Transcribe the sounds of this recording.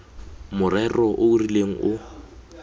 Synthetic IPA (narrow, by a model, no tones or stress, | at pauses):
mʊrɛrɔʔʊurileŋ̩ʊ